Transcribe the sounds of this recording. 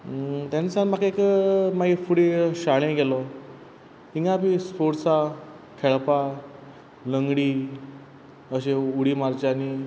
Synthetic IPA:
t̪ãnt͡sãnmakekəmaɡifuɽeɕaɭ̃ẽɡelɔ | iŋɡapispoɽsa | kʰeɭpa | ləŋɡɽi | əɕeuɽiːmaɾd͡ʑani

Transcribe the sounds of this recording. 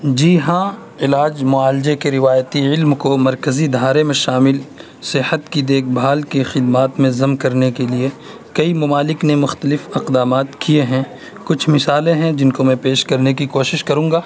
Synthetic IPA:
d͡ʒiːɦãː | ɪlaːd͡ʒmʊaːld͡ʒekeɾɪʋaːjt̪iɪlmkomɐɾkəzid̪ʱaːɾemẽʃaːmɪl | sɪhət̪kid̪eːkʰbʱaːlkexɪd̪maːt̪mẽzɐmkɐɾnekelie | kɐimɐmaːlɪknemʊxt̪əlɪfɐqd̪aːmaːt̪kieɦɛ̃ | kʊt͡ʃʰmɪsaːlẽɦɛ̃d͡ʒɪnkomɛ̃peːʃkɐɾnekikoːʃɪʃkɐɾũːŋɡaː

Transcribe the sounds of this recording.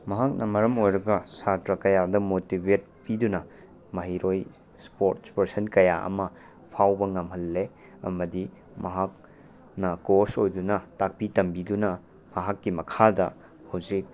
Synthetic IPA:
mɐɦak̚nɐmɐɾɐmojɾɐɡɐsatɾɐkɐjadɐmotibet̚pidunɐ | mɐɦiɾʔoj | spoɾtspɐɾsɐnkɐja̰ʔɐ̰mɐ | pʰawbɐŋɐmɦɐlːe | ɐ̰mɐdi | mɐɦak̚ | nɐkoɾsojdunɐtak̚pitɐmbidunɐ | mɐɦakːimɐkʰadɐ | hɐwzik̚

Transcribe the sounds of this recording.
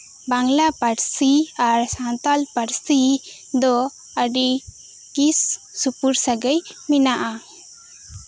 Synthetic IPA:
baŋlapaɾsiaɾsant̪alpaɾsi | d̪ɔ | əɖi | kisː | upuɾsaɡəjminaʔa

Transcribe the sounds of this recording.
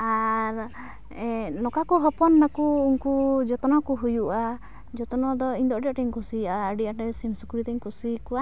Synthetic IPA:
aɾ | nɔkakuɦɔpɔnːakuːŋkud͡ʒɔt̪ɔnɔkuɦujuʔa | d͡ʒɔt̪ɔnɔd̪ɔiɲd̪ɔɖiaʈiŋkusiaːɖiaʈɛsimsɔkuɾit̪ɛɲkusikua

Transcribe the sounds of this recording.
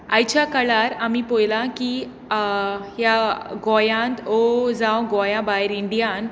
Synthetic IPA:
ajt͡ɕakəɭaɾamiːpojlaki | ɦjaɡɔjãnt̪od͡zãwɡɔjãbaiɾiɳɖijãn

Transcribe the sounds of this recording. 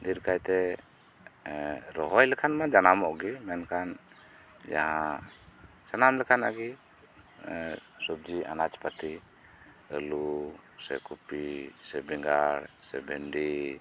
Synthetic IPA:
d̪iɾkajt̪ɛ | ɾɔɦɔjlɛkʰanmad͡ʒanamɔʔɡimɛnkʰan | d͡ʒa̰ɦa | sanamlɛkʰanaɡi | sɔb̚d͡ʒiʔa̰nat͡ʃpat̪i | ə̰lusɛ̰kupisɛbɛŋɡaɾsɛ̰bɛnɖi

